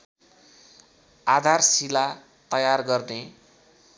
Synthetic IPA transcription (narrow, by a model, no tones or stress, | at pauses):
ad̪ʱarsila | t̪ʌjarɡʌrne